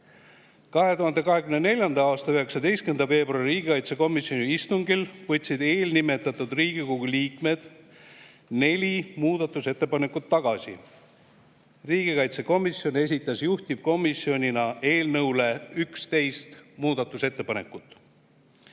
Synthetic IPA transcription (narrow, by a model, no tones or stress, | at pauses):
kɑɦe̞t̪uɦɑnd̪̥e̞kɑɦe̞kɡymnenelʲjɑnd̪̥ɑɑːst̪ɑøɦe̞ksɑd̪e̞jst̪kend̪ɑve̞ːbrɑririːɡ̥ikɑjt̪seko̞misjo̞niist̪uŋɡilvɤt̪ʲːsid̪̥e̞ːlnime̞t̪ːˑɑt̪ːˑud̪riːɡikoɡ̥uliːkme̞d̪̥ | ne̞lʲimuːd̪̥ɑt̪ːˑuse̞t̪ːe̞pɑne̞kːˑut̪ːɑɡ̥ɑsḭ | riːɡ̥ikɑjt̪seko̞misjo̞ne̞s̬ʲit̪ːˑɑsjuht̪ʲivko̞misio̞nʲinɑʔe̞ːlnɤwle̞ykst̪e̞jst̪muːd̪̥ɑt̪ːˑuse̞t̪ːe̞pɑne̞kːˑut̪ːˑ